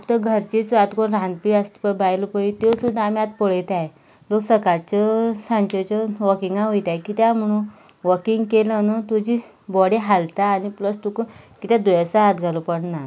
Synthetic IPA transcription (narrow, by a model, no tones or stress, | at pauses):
kt̪əɡʱəɾt͡ɕiːt͡sʋat̪koɳɾãnd̪piəst̪i̥pəbajlopəit̪osud̪ʱːam̤iat̪̚poɭəjt̪aje | loksəkat͡ɕəsãnt͡ɕet͡ɕəʋəkiŋɡãɦojt̪ajkiːt̪jam̤əɽ̃ũn | ʋəkiŋɡkelənət̪ud͡ʑiː | bɔɽiɦalt̪aːnipləst̪ukukit̪ad̪ujasaɦat̪ɡʱalopəɽna